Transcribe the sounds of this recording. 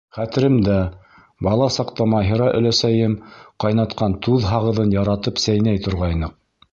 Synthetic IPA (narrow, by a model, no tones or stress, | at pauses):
χæt̪ɘ̆ɾɘmd̪æ | bɑlˠɑsɑqt̪ɑmɑɦɤ̆ɾɑʔɵ̰̆læsæjɘmqɑjnɑt̪qɑnt̪uðɦɑʁɤ̆ðɤnjɑɾɑt̪ɤpsæjnæjt̪ŏɾʁɑjnɤq̚